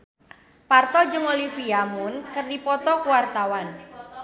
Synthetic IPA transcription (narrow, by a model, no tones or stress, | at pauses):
part̪ɔd͡ʒəŋolifiamunkərdipɔt̪ɔkuwart̪awan